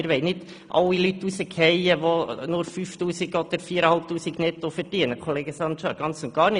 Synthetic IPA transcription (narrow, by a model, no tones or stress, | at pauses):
ɪɾʋɛɪnɪd | ʔɑ̰lːilyt̪ːusəkʰhɛɪəʋonʊɾfyft̪uːsiɡɔd̪̥əɾfiːəɾəhɑlp̚t̪uːsiɡnɛt̪ːofɛɾd̥iənəkʰoleːɡəsɑntt͡ʃɑːɾɡ̥ɑnt͡sʊnt̚ɡ̥ɑːɾnɪ